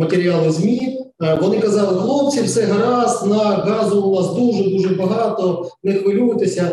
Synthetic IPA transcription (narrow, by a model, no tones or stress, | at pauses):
mɐt̪eɾʲɪalˠɪzʲmʲi | ʋɔnɪkɐzɑlˠɪxlˠop̚t͡sʲiwsɛɦɐɾɑsnɐɣɑzʊʊnɑsd̪uʒɛd̪uʒɛbɐɦɑt̪ɔnɛxʋɪlʲujɪt̪esʲɐ